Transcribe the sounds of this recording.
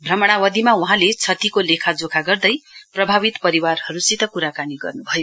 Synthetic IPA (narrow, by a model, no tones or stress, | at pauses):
bʱrʌmʌɽ̃awʌd̪imawuɦãlet͡sʰʌt̪ikolekʰad͡zokʰaɡʌrd̪ʌjprʌbʱaβit̪pʌɾiwarhʌɾusit̪ʌkuɾakaniɡʌ̰rnubʱʌjo